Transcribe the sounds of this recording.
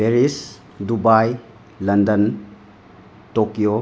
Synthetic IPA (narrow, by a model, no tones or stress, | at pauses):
pʰeɾis | dubaj | lɐndɐn | tokijo